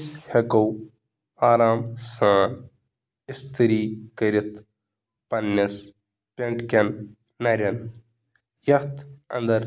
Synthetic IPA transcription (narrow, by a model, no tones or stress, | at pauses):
shɐkɐw | aːɾaːmsaːn | ist̪ʰiɾiːkəɾit̪ | pɐnːɐs | pʲeɳʈkɐnː | ɐɾʲɐn | jɐt̪ɐ̰nd̪ɐɾ